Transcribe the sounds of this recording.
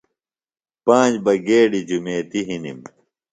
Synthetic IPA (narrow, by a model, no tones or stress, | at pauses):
pãːd͡ʑbɐɡeːɽid͡ʑumeːt̪iɦinim